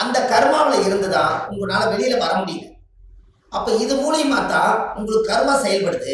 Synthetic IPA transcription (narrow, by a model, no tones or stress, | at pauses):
ɐnd̪ɐkɐɾɯmaːʋɪɭɐɪɾɯnd̪ɐðãːʊŋɡɐɭɯnaːlɐʋɛɭɪjɪlɐʋɐɾɐmʊɽɪjŋɡɐ | ʔɐpːɐːɪðɯmuːlɐjɯmaːt̪ːãːʊŋɡɐɭɯkːɯkɐɾɯmaːsɛjɐlpɐɽɯt̪ːɯ